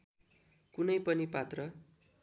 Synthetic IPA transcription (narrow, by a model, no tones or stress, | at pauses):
kunʌjpʌnipat̪rʌ